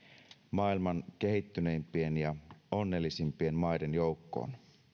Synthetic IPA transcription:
mɑːilmɑnke̞ɦit̪ːyne̞impienjɑo̞nːe̞ːlːisimpie̞nmɑjdenjo̞ukːo̰ːn

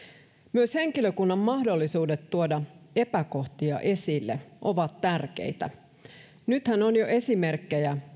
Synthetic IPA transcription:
myøshe̞ŋkiløkunːɑmːɑhdo̞lːisuːdet̪ːuodɑe̞pæko̞ht̪iɑ̰ʔe̞silːḛʔo̞ʋɑt̪tærk̟ḛjt̪æ̰ | nyt̪hænonjoʔe̞sime̞rkːejæ

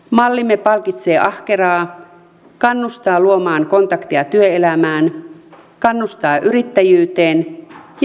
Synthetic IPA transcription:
mɑlːimepɑlkit̪se̞ːʔɑhkerɑː | kɑnːust̪ɑːluomɑːŋko̞nt̪ɑkt̪iɑt̪yøelæmæːn | kɑnːust̪ɑːʔyɾit̪ːæjyːt̪eːnj

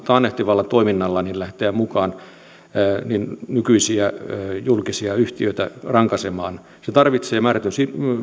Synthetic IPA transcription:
t̪ɑːnːeht̪iʋɑlːɑt̪oiminːɑlːɑnillæht̪eæmukɑːnː | ninnykyisiæjulkisiɑyht̪iøit̪æ̰rɑŋkɑsemɑːn | set̪ɑrʋit̪seːmæːræt̪ynsi

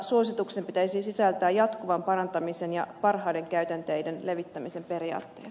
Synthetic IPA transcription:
suo̞sit̪uksempit̪æisisisælt̪æːjɑt̪kuʋɑmpɑɾɑnt̪ɑmisenjɑ̰pɑrɦɑːde̞ŋkæyt̪ænt̪ejdenle̞ʋit̪ːæmise̞mpe̞riɑ̰ːt̪ːḛːt̪

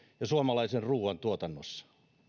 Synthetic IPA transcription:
jɑsuomɑlɑiserruːʋɑnt̪uot̪ɑnːosːɑ̥

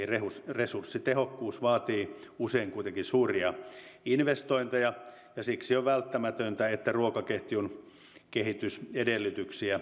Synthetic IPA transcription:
irehusresursːit̪ehokːuːsʋɑːt̪iːuseiŋkuit̪eŋkisuːriɑinʋest̪oint̪ejɑ | jɑsiksioʋʋælt̪ːæmæt̪ønt̪æet̪ːæruokɑkeht̪iun | kehit̪ysedelːyt̪yksiæ

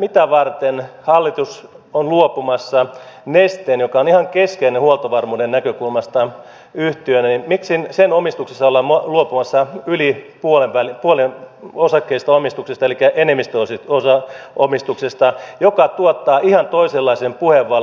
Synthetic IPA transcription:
mit̪æʋɑrt̪enhɑlːit̪us | onluopumɑsːɑnest̪enjokɑonihɑŋkeskeinehuolt̪oʋɑrmuːdennækøkulmɑst̪ɑ | yht̪iønænimmiksinsenomist̪uksesːɑolːɑmoluopumɑsːɑylipuoleʋʋælipuolenosɑkːeist̪ɑomist̪uksest̪ɑelikːæʔenemːist̪øoseosɑomist̪uksest̪ɑjokɑt̪uot̪ːɑːʔihɑnt̪oiselːɑisempuheʋːɑl

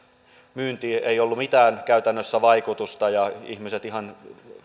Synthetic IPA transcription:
myːnt̪ieiolːumit̪æːnkæyt̪ænːøsːæʋɑikut̪ust̪ɑjɑihmiset̪ihɑn

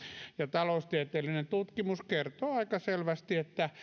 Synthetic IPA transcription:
jɑt̪ɑloust̪iæt̪eːlːinent̪ut̪kimuskert̪oːɑikɑselʋæst̪iet̪ːæ

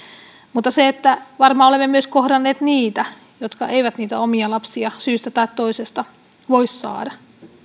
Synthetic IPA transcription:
mut̪ːɑseet̪ːæʋɑrmɑːolemːemyøskohdɑnːeːt̪niːt̪æ | jot̪kɑ̰eiʋæt̪niːt̪æomiɑlɑpsiɑsyːst̪æt̪ɑitt̪oisest̪ɑ | ʋoisːɑ̰ːdɑ

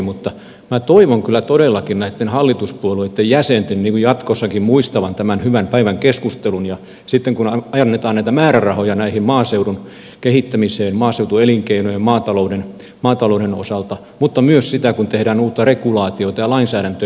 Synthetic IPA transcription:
mut̪ːɑ | mæt̪oiʋoŋkylːˑæt̪odelːɑkinnæit̪ːenhɑlːit̪uspuoluet̪ːejjæsent̪enniːŋkujɑt̪kosːɑkimmuist̪ɑʋɑnt̪æmænhyʋæmpæiʋæŋkeskust̪elunjɑ | sit̪ːeŋkunɑɑjɑnːet̪ɑːnæit̪æmæːɾærɑhojɑnæihimmɑːseuɾun | kehit̪ːæmiseːnmɑːseut̪ueliŋkeinojemmɑːt̪ɑlouden | mɑːt̪ɑloˑudeno̰sɑlt̪ɑ | mut̪ːɑmyøssit̪ækunt̪ehdæːnuːt̪ːɑrekulɑːt̪iot̪ɑjɑlɑinsæːɾænt̪ø

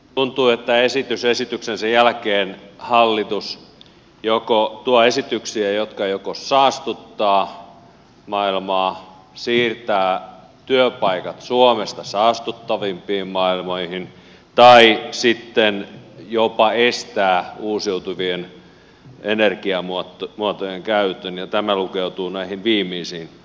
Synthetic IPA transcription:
t̪unt̪uːet̪ːæesit̪ysesit̪yksensæjælkeːnhɑlːit̪us | jokot̪uɑesit̪yksiæjot̪kɑjokosɑːst̪ut̪ːɑː | mɑilmɑː | siːrt̪æː | t̪yøpɑikɑt̪suomest̪ɑsɑːst̪ut̪ːɑʋimpiːmmɑilmoihin | t̪ɑisit̪ːenjopɑest̪æːuːsiut̪uʋien | enerkiɑmuɑt̪muɑt̪ojeŋkæyt̪ønjɑt̪æmælukeut̪uːnæihinʋiːmiːsiːn

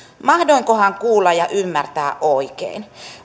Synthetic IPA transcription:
mɑhdoiŋkohɑŋkuːlːɑjɑʔymːært̪æːʔʔoikḛin

